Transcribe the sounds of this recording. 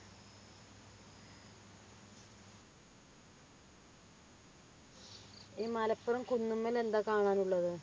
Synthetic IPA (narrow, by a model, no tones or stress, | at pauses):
iːmɐlɐpːurɐmkunːumːɐle̞nd̪aːkaːɳaːnuɭːɐðɨ